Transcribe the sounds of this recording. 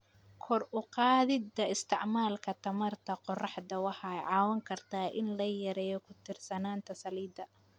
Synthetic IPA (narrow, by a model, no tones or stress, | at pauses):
kʰɔrʊqɑːðɪd̪ɐɪst̪ʰɪʕmaːlkʰɐt̪ʰɐmɐrt̪ʰɐqɔrɑħd̪ɐwɑħɑɛjʕɑːwɐŋkʰɐrt̪ʰaːʔɪnlɐjɐɾɛːjɔkʰʊt̪ʰɪrsɐnaːnt̪ʰɐsɐliːd̪ɐ